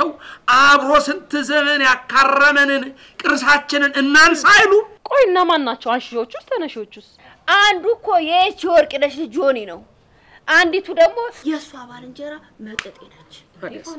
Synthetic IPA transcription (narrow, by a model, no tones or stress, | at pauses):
ɛwʔaβɾosɨnt̪ʰɨzɨmɨnjakːarəmənɨn | kʼɨɾsat͡ʃːɪnɨnɨnːansajlukʼo̞jɪnːamanːat͡ʃːɛwanʃɪʃwo̞t͡ʃːust̪ʰənəʃwot͡ʃːust̪ | ʔand̪ukʰːo̞jɛt͡ʃiwɔɾkʼinəʃd͡ʒoninəw | ʔand̪it̪ʰud̪əɡmo̞jɛsːuaβalɨnd͡ʒɛɾa | mət̪ʼət̪ʼenat͡ʃː